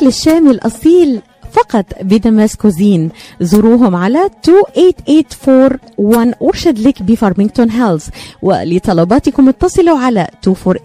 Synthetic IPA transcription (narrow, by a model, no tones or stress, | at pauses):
lɪʃːæːmɪlʔɑ̰sˤiːl | fɑqɑt̪ˤbɪd̪amæskʊziːnzʊɾuːɦʊmʕalæt̪uːʔeːt̪ʔeːt̪foːɾ | wanʔʊɾʃad̪lɪkbifɑɾˤmɪŋɡt̪onɦɛlzwɪ̰lɪt̪ˤɑlɑbɑːt̪ɪkʊmːʊt̪ːɑsˤɨlʊʕalæt̪uːfoːɾ